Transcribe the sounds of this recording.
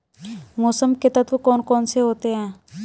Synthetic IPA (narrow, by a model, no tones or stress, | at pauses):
moːsəmkɪt̪ət̪ʋukɔːnkɔːnseɦoːt̪eɦɛ̃ː